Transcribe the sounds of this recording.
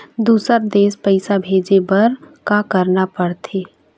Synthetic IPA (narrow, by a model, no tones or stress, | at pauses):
d̪uːsəɾd̪eːspəɪsabʱeːd͡ʒebɐɾkakəɾnapəɽt̪ʰeː